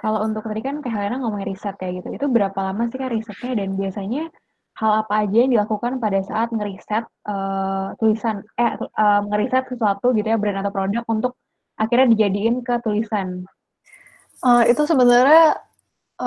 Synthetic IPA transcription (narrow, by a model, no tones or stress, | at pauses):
kalount̪ʊk̚t̪adikankaɦalanaŋomɔŋɾisɛt̪jaɡit̪uit̪ubəɾapalamas̬ikanrisɛt̪̚ɲadanbiasaɲa | halapaːd͡ʒajaŋdilakukanpadasaʔat̪̚ŋəɾisɛt̪̚ət̪ːulisanaəŋəɾisɛt̪̚səsuat̪uɡit̪ujabəɾanat̪awpɾodak̚unt̪ʊk̚ | ʔakirɲadid͡ʒadiɪnkət̪ulisan | ʔəit̪usəbənarɲa